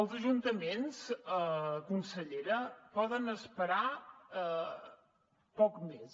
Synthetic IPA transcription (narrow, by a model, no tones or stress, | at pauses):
əlˠzəʒunt̪əmensəkunsəʎeɾəpɔðənəspəɾa | pɔkmes